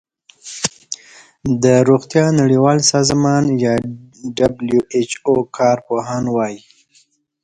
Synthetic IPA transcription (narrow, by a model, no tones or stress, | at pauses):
d̪əɾuɣt̪jɑnaɽiwɑlsɑzmɑnjɑɖabljuet͡ʃokʰɑɾpoɦɑnwɑji